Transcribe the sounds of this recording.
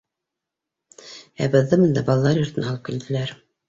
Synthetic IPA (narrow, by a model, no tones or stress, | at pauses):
æbɤ̆ðːɤmɤnd̪ɑbɑlˠɑlˠɑɾjŏɾt̪ɘ̆næhɑlˠɤp̚kɘ̆ld̪ɘ̆læɾ